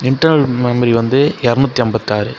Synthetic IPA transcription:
ɪɳʈːɐɾnɐlmɐmɐɾiʋɐnd̪ɯɛɾɯnut̪ːiɐmbɐt̪ːaːɾɯ

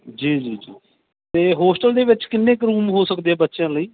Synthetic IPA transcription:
d͡ʒiːd͡ʒiːd͡ʒiː | t̪eːɦoːsʈəld̪eːʋɪt͡ʃkɪnːẽːkɾũːmɦoːsəkd̪eːɛːbətːʃjãːləiː

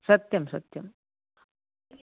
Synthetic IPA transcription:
sʌt̪jɐmsə̰t̪jɐm

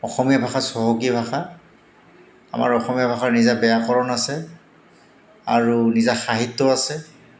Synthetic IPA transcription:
ɔxɔmijabʱaxasɔɦɔkibʱaxa | a̰ma̰ɹɔxɔmijabʱaxaɹnizabɛjakɔɹɔnasɛ | a̰ɹunizaxaɦitːɔasɛ

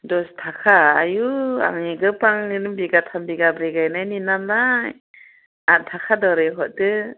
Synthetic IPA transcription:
dɔstʰakʰaːjua̰ŋiɡɯpaŋnɯnɯmbiɡatʰambiɡabɾeɡajnajninanaj | atʰakʰadɔɾɯɦɔt̚dɯ

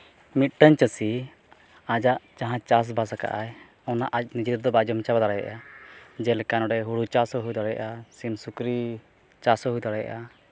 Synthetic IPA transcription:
mit̪̚ˀʈəɲt͡ʃəsi | ad͡ʒaʔt͡ʃaɦãt͡ʃas̬basaka̰ʔaj | ɔnaʔac̚ˀnid͡ʒit̪d̪ɔbad͡ʒɔmt͡ʃabad̪aɽaja̰ʔad͡ʒɛlkanɔɖɛɦuɽut͡ʃasɔɦujd̪ɔɽɛja̰ʔasimsukɾi | t͡ʃasɔɦujd̪aɽaja̰ʔa

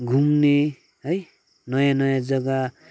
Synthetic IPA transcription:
ɡʱumne | ɦʌj | nʌjãnʌjãd͡zʌɡa

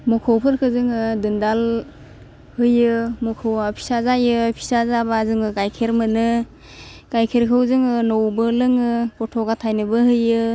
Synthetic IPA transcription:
mɔkʰowpʰɯɾkʰɯzɯŋɯdɯndal | hɯjɯmɔkʰɯwapʰi̥sazajɯpʰi̥sazabazɯŋɯɡajkʰeɾmɯnɯ | ɡ̥ajkʰeɾkʰɯwzɯŋɯnowbɯlɯŋɯpɔtʰɔɡatʰajnɯbɯhɯjɯ

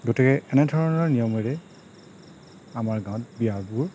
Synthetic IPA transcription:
ɡotikɛʔɛnɛdʱɔɹɔnɔɹnijɔmɔjɹɛ | amaɹɡãw̃t̚bijabʊɹ

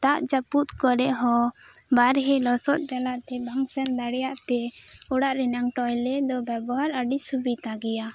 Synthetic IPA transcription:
t̪aʔt͡ʃaput̪kɔɾɛʔɦɔ | baɾɦɛlɔsɔt̪̚d͡ʒalaʔt̪ɛbaŋsɛnd̪aɽɛjaʔt̪ɛ | ɔɽaʔɾɛnaŋʈɔjlɛd̪ɔbɛbɔɦaɾəɖisubit̪aɡɛja

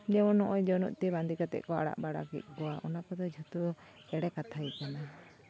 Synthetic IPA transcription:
d͡ʒɛmɔnɔʔɔjd͡ʒɔnuʔt̪iband̪ikat̪ɛ̰ʔkɔa̰ɽa̰ʔbaɽa̰kiʔ̪̚ˀkɔaʔɔnakɔd̪ɔd͡ʒʱut̪u | ɛɽɛkat̪ʰaikana

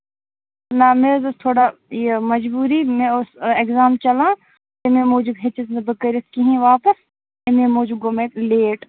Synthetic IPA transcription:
nameːzɐst̪ʰoːɽaːemɐd͡ʒbuːɾimẽʊsekzaːmt͡ʃɐlãː | t̪emẽːmoːd͡ʒubɦet͡ʃɐt̪nebəkəɾɐt̪ʰkiɦĩːʋaːpəs | emẽːmoːd͡ʒuɡomẽːleːʈ

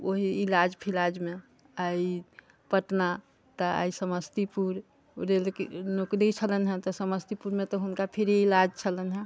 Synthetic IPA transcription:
oɦiːlad͡ʒpʰilad͡ʒmẽ | ai | pəʈna | t̪əa̰isəməst̪ipuɾ | ɾelknokd̪ɛt͡ʃʰələnɦɛ̃t̪ɔsəməst̪ipuɾmẽt̪ɔɦunkapʰiɾiilad͡ʒt͡ʃʰələnɦɛ̃

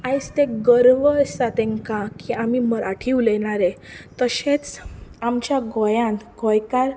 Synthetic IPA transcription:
ajst̪eɡəɾʋəsat̪ẽŋkãkiamiməɾaʈʰiwleɽ̃aɾet̪əɕẽt͡samt͡ɕjaɡɔjãnɡɔjkaɾ

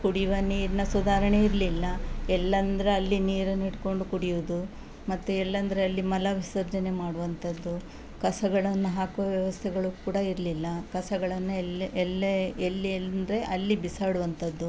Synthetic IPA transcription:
kuɽiʋɐniːɾinɐsud̪ʱaːɾɐɳe̞iɾlilːɐɛlːɐnd̪ɐɾe̞ɐlːiniːɾɐniɽko̞ɳɖukuɽijuʋud̪u | mɐt̪ːuɛlːɐnd̪ɐɾeɐlːimɐlɐʋisɐɾd͡ʒɐne̞maːɽuʋɐnt̪ʰɐd̪ːu | kɐsɐɡɐɭɐnːuɦaːkuʋɐʋjɐʋɐst̪ʰɛɡɐɭukuːɽɐiɾlilːɐkɐsɐɡɐɭɐnːuɛlːelːilnd̪ɾe̞ʔɐlːibisaːɽuʋɐnt̪ʰɐd̪ːu

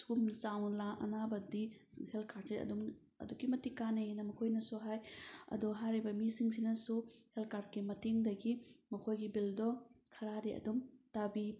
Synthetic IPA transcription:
skumt͡ʃawlaʔɐ̰nabɐdihelkʰaɾd̚siɐ̰dum | ɐ̰dukimɐtikanenɐmɐkʰojnɐsuɦajɐ̰dɔɦajɾibɐmisiŋsinɐsuhelkaɾt̚kimɐteŋdɐɡimɐkʰojɡibildɔkʰɐɾadiɐ̰dumtabi

